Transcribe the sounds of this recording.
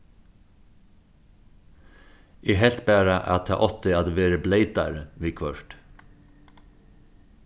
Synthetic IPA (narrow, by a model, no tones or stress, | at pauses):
ʔeːɦɛlt̪bæːɾəʔɑ̰t̪ʰɑ̰ːʔɔt̪ɪɑd̪ʋeːɾəbleɪd̪ɑɾʋiːkʰʋœʃʈ